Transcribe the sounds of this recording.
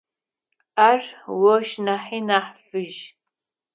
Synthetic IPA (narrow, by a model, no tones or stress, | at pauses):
aːrwɔʃnaħiːnaːħfɨʒ